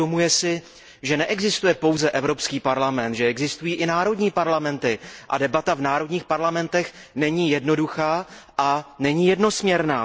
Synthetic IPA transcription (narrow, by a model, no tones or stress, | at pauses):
omujɛsɪ | ʒɛnɛʔɛɡzɪst̪ujɛpo̞wzɛʔɛvɾo̞pskiːpaɾlamɛnt̪ʒɛɛɡzɪst̪ujiːʔɪnaːɾo̞dɲiːpaɾlamɛnt̪ɪʔa̰dɛbat̪avnaːɾo̞dɲiːxpaɾlamɛnt̪ɛx | nɛɲiːjɛdno̞duxaː | ʔanɛɲiːjɛdno̞smɲɛɾnaː